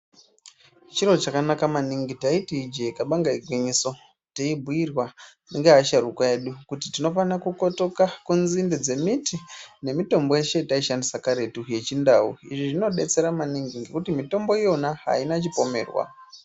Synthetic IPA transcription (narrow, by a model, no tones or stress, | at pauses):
t͡ʃiro̞t͡ʃakanakamaniŋɡitaitiid͡ʒekaɓaŋɡaiɡʱwiɲiso̞ | teibʱuirwaneŋɡeɦaʃaɾukoeɗukutitino̞fanakuko̞to̞kakunzinded͡ze̞mitine̞mito̞mbo̞je̞ʃe̞taiʃandisakaɾe̞tuje̞t͡ʃindaṵḭʐiʐino̞ɗe̞t͡se̞ɾamaniŋɡiŋɡe̞kutimito̞mboijonaɦa̰inat͡ʃipo̞me̞ːrwa̰